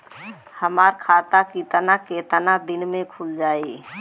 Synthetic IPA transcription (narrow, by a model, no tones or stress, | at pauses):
həmaːɾkʰaːt̪akit̪ənaket̪ənad̪ɪnmẽkʰuld͡ʒaːi